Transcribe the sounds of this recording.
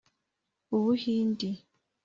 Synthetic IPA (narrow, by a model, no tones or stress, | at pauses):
uβuhindi